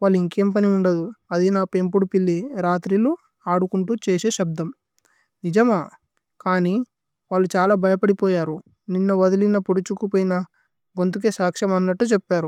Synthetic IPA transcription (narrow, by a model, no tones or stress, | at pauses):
ʋaːɭːiŋkeːmpɐniuɳɖɐd̪uɐd̪inaːpempuɽupilːiɾaːt̪ɾilo | aːɽukuɳʈuːt͡ʃeːse̞ːʃɐb̚d̪ʱɐm | nid͡ʒɐmaː | kaːni | ʋaːɭːut͡ʃaːlaːbɐjɐpɐɽipoːjaːɾu | ninːɐʋɐd̪ɐlinɐpuɽut͡ʃukupoːjinɐ | ɡont̪uk̬e̞ːsaːkʂɐmɐnːɐʈːut͡ʃepːaːɾu